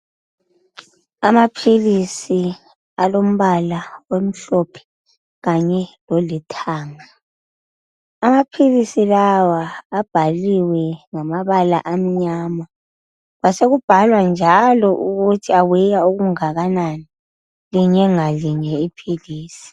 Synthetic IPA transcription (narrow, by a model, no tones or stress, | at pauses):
amapʰilisi | alom̩βalawem̩ɬɔpʰɛ̥ | ɣaɲɛlɔlitʰaːŋa | amapʰilisilawaːb̥ʱaliwɛŋamaβala̰ʔam̩ɲaːma | βaseɣub̥ʱalwand͡ʒʱalɔʔuɣutʰiawɛjauɣuŋaɣanani | liɲɛŋaliɲɛipʰiliːsi̥